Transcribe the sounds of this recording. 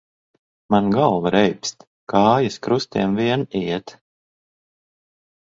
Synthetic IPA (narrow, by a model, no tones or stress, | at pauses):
manɡalˠvaɾɛjpst̪ | kaːjaskɾust̪iɛmviɛniɛt̪